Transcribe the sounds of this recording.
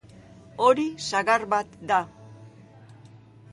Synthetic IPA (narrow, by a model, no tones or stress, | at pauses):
oɾisaɣarβat̪d̪a